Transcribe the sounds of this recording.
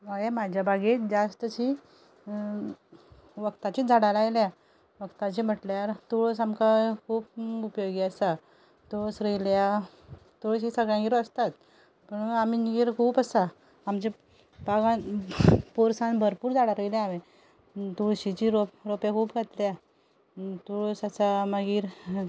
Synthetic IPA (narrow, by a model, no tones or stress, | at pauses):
məɡjamad͡ʑjabʱaɡit̪d͡ʑast̪ət͡ɕi | ʋəkt̪at͡ɕiːd͡zʱaɽalajlja | ʋəɡt̪at͡ɕim̤əʈljaɾt̪ɔɭosamkakʰuːp̚upjoɡiəsa | t̪ɔɭosɾəjlja | t̪oɽɕiːsəɡɭjãɡiɾəst̪at̪ | pəɳam̤iniɡiɾkʰuːpəsaː | mt͡ɕe | paɡãnpoɾsãnbʱəɾpuːɾd͡zaɽaɾəjljaaʋe | t̪uɭɕit͡ɕiːɾopɾopekʰuːpɡʱat̪la | t̪ɔɭosasaməɡiːɾ